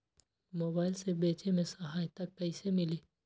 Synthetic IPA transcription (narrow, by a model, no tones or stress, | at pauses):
moːbaːɪlsebeːt͡ʃemẽsɐɦaːjt̪ɐkːɐisemɪliː